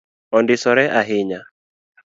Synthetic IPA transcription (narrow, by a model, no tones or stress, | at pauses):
ɔndɪsɔɾɛʔaɦɪɲa